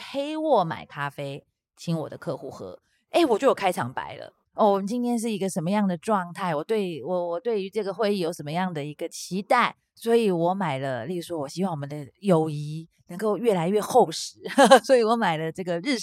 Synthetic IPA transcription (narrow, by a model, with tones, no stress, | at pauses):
xe˥ɪwɔ˥˩ma̰˨˩ɪkʰa˥fe˥ɪ | t͡ɕʰi˧˥ŋwɔ̰˨˩d̪ə̰˦kʰɤ˥˧xu˥˩xɤ̰˧˥ | e˥˩ɪwɔ˨˩t͡ɕjo˥˩jo˨˩kʰa˥ɪɑ̰˧˥ŋpa̰˨˧˥ɪlə̰˨ | ɔ˥˩wɔ˨˩mə˦nt͡ɕi˥nt̪ʰjɛ˥nʂ̬ɻ̩˥˩i˧˥ɡə˧ʂə˧˥nmə˧jɑ˥˩ŋd̪ə˩ʈ͡ʂwɑ˥˧ŋt̪ʰa˥˩ɪwɔ˨˩t̪we˥˩ɪ˨˩wɔ˨˩wɔ˨˩t̪we˥˩ɪy˧˥ʈ͡ʂɤ˥˩ɡə˩xwe˥˧ɪi˥˩jo˧˥ʊʂə˧˥nmə˧jɑ˥˩ŋd̪ə˩i˧˥ɡə˧t͡ɕʰi˧˥t̪a˥˩ɪ | swɔ˧˥i˨˩wɔ˧˥ma˨˩ɪlə˦li˥˩˥ʂwɔ˦˥wɔ˨˩ɕi˥wɑ˥˩ŋwɔ˨˩ə˦nd̪ə˦jo˨˩ʊi˧˥ | nɤ˧˥ŋko˥˧ʊɥɛ˥˩la˧˥ɪɥɛ˥˧xo˥˩ʊʂɻ̩˧˥˦swɔ˧˥i˨˩wɔ˧˥ma˨˩ɪlə˦ʈ͡ʂɤ˥˩ɡə˩ɻ̩˥˩